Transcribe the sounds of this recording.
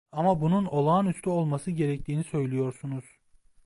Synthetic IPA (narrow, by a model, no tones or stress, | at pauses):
amabununo̞lˠaːnyst̪ʰyo̞lˠmasɯɟe̞ɾɛc̚t̪ʰiːnisø̞jlʲijo̞ɾsunuz̥